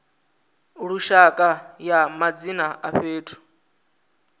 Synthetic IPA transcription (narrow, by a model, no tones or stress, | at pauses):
ɺuʃakʼajamad͡zinaʔaɸeːtʰu̥